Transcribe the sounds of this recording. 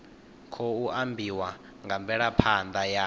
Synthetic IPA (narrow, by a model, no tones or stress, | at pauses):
kʰɔuʔambʱiwa | ŋɡʱambʱɛɺapʰand̪aja